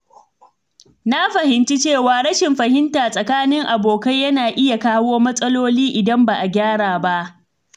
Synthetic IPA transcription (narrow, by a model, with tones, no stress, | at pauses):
na˦ɸɐ˨hɪ˨nt͡ʃi˦t͡ʃeː˦˨waː˨ɽɐ˦ʃɪ˨mɸɐ˨hɪ˦ntaː˨sʼɐ˨kaː˦nɪ˦ŋʔa˨boː˨kɐ˦jːɐ˦naː˨ʔɪ˦ja˨kaː˦woː˦mɐ˦sʼɐ˦loː˦liː˦ʔɪ˨dɐ˦mba˨ʔa˨ɡʲaː˦ɽaː˨ba˦ʔ